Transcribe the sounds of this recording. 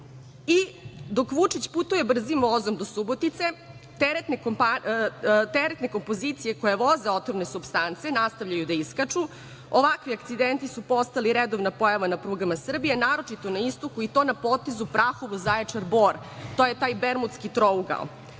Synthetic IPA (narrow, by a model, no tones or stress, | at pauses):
id̪o̞kʋut͡ʂit͡ɕput̪uje̞br̩zimʋozomd̪o̞subot̪it̪se̞ | t̪eɾet̪nekpa | t̪eɾet̪ne̞ko̞mpo̞zit̪sije̞kojeʋo̞zeo̞t̪omne̞subst̪ant̪se̞nast̪aʋʎajud̪aiskat͡ʂu | oʋakʋiakt̪sid̪ent̪isupo̞st̪aliɾed̪oʋnapo̞jaʋanapɾuɡamasr̩bijenaːɾo̞t͡ʂit̪onaist̪okuit̪o̞napot̪ezupɾaxoʋozajat͡ʂaɾboːɾ | t̪oje̞t̪aːjbeɾmut̪skit̪ɾouɡa̰l